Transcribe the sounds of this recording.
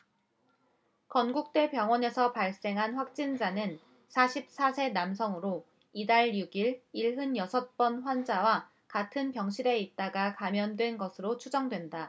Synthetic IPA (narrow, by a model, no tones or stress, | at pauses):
kʌnɡuk̚t͈e̞pjʌŋwʌne̞sʰʌpaɭs͈e̞ŋɦanɸwak̚t͡ɕ͈ind͡ʑanɯn | sʰaɕʰip̚s͈asʰe̞namsʰʌŋɯɾo | idaɭjuɡiɭiɭɦɯnjʌsʰʌt̚p͈ʌnɸwand͡ʑawa | katʰɯnpjʌŋɕʰiɾe̞it̚t͈aɡakamjʌndwe̞nɡʌsʰɯɾot͡ɕʰud͡ʑʌŋdwe̞nda